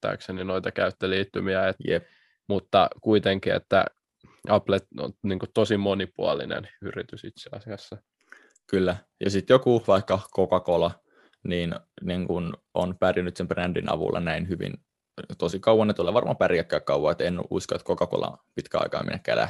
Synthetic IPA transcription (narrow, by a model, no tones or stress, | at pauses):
t̪ːɑ̰ːkseninoit̪ɑkæyt̪ːeliːt̪ːymiæet̪jep | mut̪ːɑ̰kuit̪eŋkiḛt̪ːæ̰ | ɑplet̪o̰nniːŋkut̪osimonipuɑlḭnḛnyrit̪ysit̪seɑ̰siɑsːɑ | kylːæ | jɑsit̪jokuʋɑikːɑkokɑkolɑ | niːnniŋkun | o̰npærjænyt̪sembrændḭnɑ̰ʋṵlʔɑ̰næinhyʋḭn | t̪osikɑuwɑnːet̪uleːʋɑrmɑ̰ːpæriækːæːkkɑwˑɑet̪enʔṵskoet̪kokɑko̰lɑ̰pit̪kæɑ̰ikɑ̰ːmḛnːækːæ̰ːlæ̰ht̪